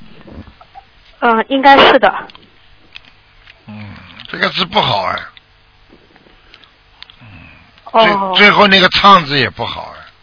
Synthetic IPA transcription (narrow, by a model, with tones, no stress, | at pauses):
i˥ŋka˥ɪʂɻ̩˥˩d̪ə̰˩ | n̩˥˩ʈ͡ʂɤ˥˩ɡə˩t͡sʰɹ̩˥˧pu˥˩xɑ˨˩ʊɛ̰˦ | n̩˥˩ | we˥˩t͡swe˥˧ɪxo˥˧ʊna˥˩ɡə˩t͡sʰɑ˥˩ŋd͡zɹ̩˧˩jɛ˨˩pu˥˩xɑ̰˨˩ʊɛ̰˦